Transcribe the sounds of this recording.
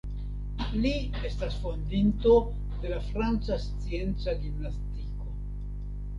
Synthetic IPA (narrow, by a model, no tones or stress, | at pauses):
li | e̞stasfo̞nd̪int̪o̞ | d̪e̞lafɾant͡sast͡sie̞nt͡saɡinastiko̞